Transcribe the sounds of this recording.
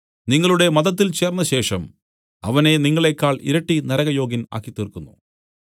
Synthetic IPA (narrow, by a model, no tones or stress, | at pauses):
niŋːɐɭuɽe̞mɐðɐt̪̬ːilt͡ɕe̞ːrnːɐɕe̞ːʂɐm | ɐ̰ʋɐne̞niŋːɐɭe̞kːaːɭḭɾɐʈːinɐɾɐɣɐjo̞ːɡina̰ːkːit̪ːirkunːṵ